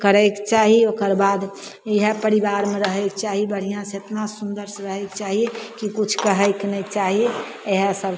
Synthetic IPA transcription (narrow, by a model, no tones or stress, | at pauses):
kəɾəkt͡ʃaːɦiokəɾbaːd̪ | iɦepəɾibaːɾmẽɾəɦɛk̚t͡ʃaːɦibəɽ̤ijãsẽet̪nãsund̪əɾsɾəɦɛkt͡ʃaɦiekikut͡ʃʰkəɦəɪknɛt͡ʃaːɦie | eɦesəb